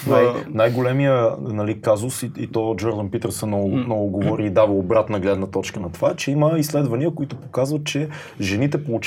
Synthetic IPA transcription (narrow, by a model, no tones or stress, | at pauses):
najnajɡolɛmiənɐlikazʊsiit̪ɔd͡ʒɔɾd̪ənpit̪əɾsɛnɔnɔvʊɡovɔɾiːd̪avəobɾat̪nəɡlɛd̪nət̪ɔt͡ʃkənɐt̪ovat͡ʃɛiməislɛd̪vɐniəkoit̪ʊpokazvɐt̪̚t͡ʃɛ | ʒɛnit̪ɛpolˠʊt͡ʃ